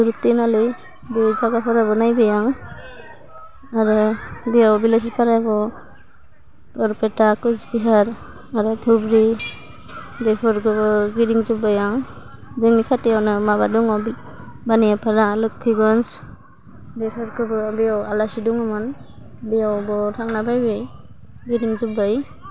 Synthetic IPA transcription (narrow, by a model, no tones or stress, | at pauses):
uɾutːinalɯ | bed͡ʒaɡapʰɔɾabɔnajbajaŋ | aɾɯbijawbilas̬ipʰaɾabɔ | ɔɾpetakɯsbiɦaɾ | aɾɯtʰubɾi | bepʰɔɾkʰɯbɔɡiɾiŋzubajaŋ | zɯŋmikʰateawnɯmabaduŋɔ | baniapʰaɾalɯkʰːɯɡɔns | depʰɔɾkʰɯbɯbijawalasiduŋɯmɯn | bijawbɔtʰaŋnabajbɯj | ɡiɾiŋzubaj